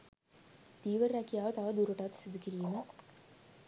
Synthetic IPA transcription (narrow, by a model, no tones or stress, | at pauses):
d̪̥iːʋərːækijaːʋət̪aʋəd̪uɾuʈɐt̪sid̪ukiɾijəmə